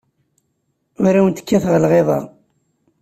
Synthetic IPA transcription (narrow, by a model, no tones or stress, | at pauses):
ʊɾawənt̪ə̥kːæθʁlʁeðˤɑ̰